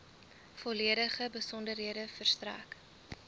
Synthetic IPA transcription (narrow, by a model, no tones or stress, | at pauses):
fɔliədəχəbəsɔndərɦiədəfərstræ̰ːk